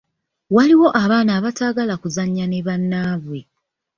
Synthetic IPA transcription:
waliwo̞ʔaβaːnaːβataːɡalakuzaɲːane̞βanːaːβwe̞

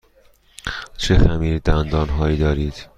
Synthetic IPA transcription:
t͡ʃʰexæmiːɾd̪ænd̪ɒːnɦɒːiːd̪ɒːɾiːd̪̥

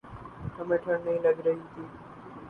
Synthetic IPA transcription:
t̪əmeʈʰəɾnəɦĩlaɡɾəɦĩt̪i

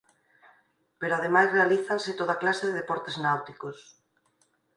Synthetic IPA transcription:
peɾoað̞emajzrealiθanset̪oðaklaseðeðepɔɾt̪eznawt̪ikos

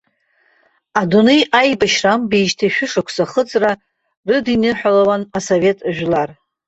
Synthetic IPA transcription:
adunejajbaʃrambeʒtʰaʃᶣʊʂakʷʰsaχət͡sʼra | rɨdinɨħʷᶣalawanasove̞tʼʒᶣlar

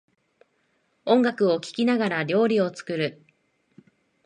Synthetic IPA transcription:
õ̞ŋɡakɯ̟o̞kʲi̥kʲinaɡaɾaɾʲo̞ːɾʲio̞t͡sɨ̥kɯ̟ɾɯ̟

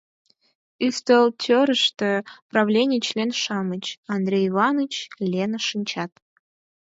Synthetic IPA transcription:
yst̪əltʲʰøɾəʃt̪əprɑvlʲenʲɪjt͡ɕlʲenʃɑmət͡ɕɑnd̪rʲejivɑnɨt͡ɕlʲenəʃɨnʲt͡ɕɑt̪

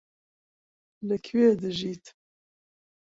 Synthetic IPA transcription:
lɨkʰweːd̪ɨʒiːt̪

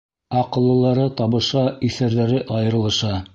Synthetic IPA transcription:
ɑqɤ̆lˠːɤ̆lˠɑɾɤt̪ɑβɤ̆ʃɑiθæɾðæɾɘʔɑjɤ̆ɾɤ̆lˠɤ̆ʃɑ

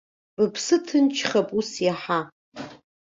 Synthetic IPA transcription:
bɨpʰsɨtʰɨnt͡ʃʰχapʼusjaħa

